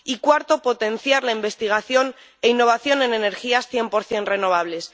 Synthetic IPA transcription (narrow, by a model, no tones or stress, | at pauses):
ikwaɾt̪o̞po̞t̪e̞n̟θjaɾlaimbe̞st̪iɣ̞aθjo̞n | e̞inːo̞β̞aθjo̞ne̞ne̞ne̞ɾxiasθje̞mpo̞ɾθje̞nre̞no̞β̞aβle̞s